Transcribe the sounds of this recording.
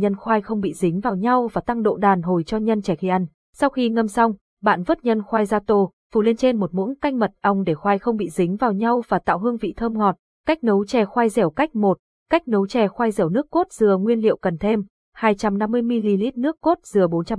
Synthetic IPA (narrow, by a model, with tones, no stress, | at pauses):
ɲə˧nxwaː˧jxə˧wŋ͡mɓḭ˧˨zï˨˦ŋ̟vaː˨˩wɲa˧wvaː˨˩t̪a˧ŋɗo̰˧˨ɗaː˨˩nɦo˨˩jt͡ɕɔ˧ɲə˧nt͡ɕɛ˧˩xi˧ʔa˧jŋ̟ | sa˧wxi˧ŋə˧msa˧wŋ͡m | ɓa̰ː˧˨nvɨ˦˥ək̚ɲə˧nxwaː˧jzaː˧t̪o˧ | fu˨˧˩le˧nt͡ɕe˧nmo˨˩t̚mṵ˧˥ənka˧jŋ̟mə˨˩t̚ʔə˧wŋ͡mɗe˧˩xwaː˧jxə˧wŋ͡mɓḭ˧˨zï˨˦ŋ̟vaː˨˩wɲa˧wvaː˨˩t̪a̰ː˧˨wɦɨ˧əŋvḭ˧˨t̪ʰəː˧mŋɔ˨˩t̚ | ka˦˥jk̟̚nə˨˦wt͡ɕɛ˨˩xwa˧jzɛ˧˩wka˦˥jk̟̚mo˨˩t̚ | ka˦˥jk̟̚nə˨˦wt͡ɕɛ˨˩xwa˧jzɛ˧˩wnɨ˦˥əkːo˦˥t̚z̥ɨ˨˩əŋwi˧ənlḭ˧˨əwkə˨˩nt̪ʰe˧m | haː˧jt͡ɕa˧mna˧mːɨ˧əjmi˧li˧li˦˥t̚nɨ˦˥əkːo˦˥t̚z̥ɨ˨˩əɓo˨˦nt͡ɕa˧